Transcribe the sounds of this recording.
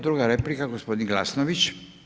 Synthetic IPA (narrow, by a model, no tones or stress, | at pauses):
d̪ɾuɡaɾeplikaɡospod̪inɡlasnoʋit͡ʃ